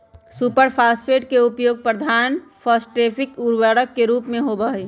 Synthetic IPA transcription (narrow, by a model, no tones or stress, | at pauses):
supəɾpʰaːspʰeːʈkeʊpjoːɡ̚pɾəd̪ʱaːnpʰəsʈɾeːpʰɪkuɾwəɽəkːeɾuːpmẽɦobəɦiː